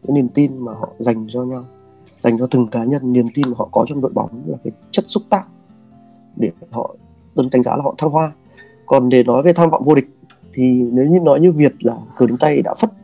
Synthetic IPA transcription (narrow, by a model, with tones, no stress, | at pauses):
ɨ̰˧˥ni˨˩əmt̪i˧nmaː˨˩ɦɔ̰˧˨za˨˩jŋ̟zɔ˧ɲa˧w | za˨˩jŋ̟zɔ˧t̪ɨ˨˩ŋkaː˨˦ɲə˧nːi˨˩əmt̪i˧nɦɔ̰˧˨kɔ˨˦t͡ɕɔ˧wŋ͡mɗo̰˧˨jɓɔ̰˨˦ŋ͡mla̰ː˨˩kaː˨˦jt͡ɕə˦˥t̚sʊ˦˥k͡p̚t̪aː˧˥˨ʔ | ɗe˧˩fɦɔ̰˧˨ | t̪ə˧nka˨˦jŋza̰ː˧˥laː˨˩hɔ̰˧˨t̪ʰa˧ŋɦwaː˧ | kɔ˨˩nɗe˨˩nɔ˨˦jve˨˩jt̪ʰaː˧mva̰ː˧˨ŋ͡mvo˧ɗï˨˩k̟̚ | t̪ʰi˨˩ne˨˦wɲḭ˧nɔ˨˦jɲɨ˧vi˨˩ət̚laː˨˩kɨ˨˩ɗe˨˦nt̪a˧jɗa̰ː˧˥fə˦˥t̚